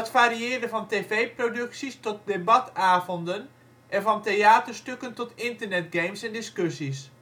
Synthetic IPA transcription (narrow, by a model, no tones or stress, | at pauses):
ɦətfaːɾiɪːrdəvɑnteːvejprodɵksistɔt̚debɑtaːvɔndən | ʔɛnvɑntejaːtərstøkəntɔtɪntərnɛtɡejmsɛndɪskøsis